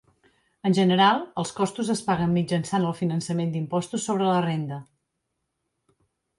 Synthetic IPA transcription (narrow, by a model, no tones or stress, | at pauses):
ənʲʒənəɾalˠəlˠskɔst̪uzəspaɣəmmid͡ʒənsanəlˠfinənsəmend̪impɔst̪usːoβ̞ɾələrend̪ə